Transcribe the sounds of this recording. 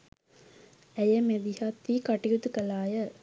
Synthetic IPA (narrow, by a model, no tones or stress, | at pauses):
æjɐmed̪ihat̪ʋikaʈijut̪ukɐlaːjə